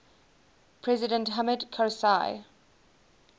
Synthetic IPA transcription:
pʰɹɛzɪdə̃ntɦamədkʰasaɪ

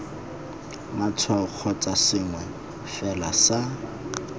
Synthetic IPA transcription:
mat͡sʰwak͡xʰɔt͡sʼasɪŋwɛ | fɛlasa

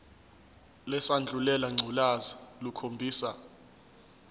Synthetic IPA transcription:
lɛsand͡ɮʱulɛlaŋ͡ǀʱulazalukʰombʱiːsa

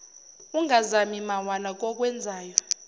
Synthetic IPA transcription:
uŋɡʱazamimawanak̬ʼɔk̬ʼwɛnd͡zʱaːjɔ

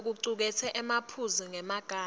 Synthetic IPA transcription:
k̬uǀuk̬ɛtʰɛʔɛmapʰuziŋɛmaɡ̥ʱaː

